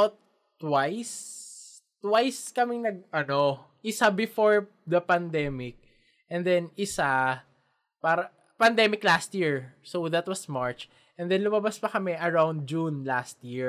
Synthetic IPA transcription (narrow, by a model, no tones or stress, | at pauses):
t̪ː | wajs | t̪wajskɐmɪŋnɐɡ̚ɐno̞ | ʔɪsabɪfoɹ | d̪ɐpɐnd̪ɛmɪk̚ | ʔɛ̃nd̪ɛnɪsa | paːɾɐ | pɐnd̪ɛmɪklast̪̚jiɹsowðɐt̪wɐsmaɹt͡ʃ | ʔɛnd̪ɛnlʊmɐbaspɐkɐmɛʔɐɹaw̃nd̪̚d͡ʒunlast̪̚jiɹ